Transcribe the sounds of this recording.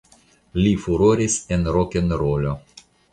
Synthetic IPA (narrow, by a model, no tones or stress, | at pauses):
lʲifuɾoɾʲisenɾokʲenɾolʲo